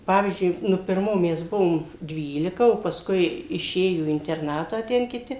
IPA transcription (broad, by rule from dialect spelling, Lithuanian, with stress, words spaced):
ˈpɑːʋʲiːzʲd͡ʒʲʊɪ ˈnʊ pʲɪrˈmoː ˈmʲɛs ˈbʊʋoːm ˈdʲʋʲiːlʲɪkɐ oː pɐˈskʊɪ ɪˈʃʲeːjoː iː ɪnʲtʲɛrˈnɑːtɑː ˈtʲɛn kʲɪˈtʲɪ